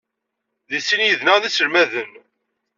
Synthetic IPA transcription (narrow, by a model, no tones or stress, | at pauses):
ðisinjəðnæðisəɾmæðən